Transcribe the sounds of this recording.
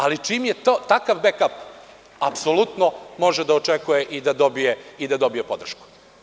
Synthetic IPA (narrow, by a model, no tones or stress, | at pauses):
alit͡ʃimjet̪ot̪akaʋbekap | apsolut̪nomo̞ʒed̪aot͡ʃekujeʔid̪ad̪o̞bijeid̪ad̪o̞bijepo̞d̪r̩ʃku̥